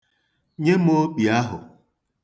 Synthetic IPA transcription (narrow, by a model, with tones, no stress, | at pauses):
ɲe˦m̩˦o˦k͡pi˨a˦ɦʊ̰˨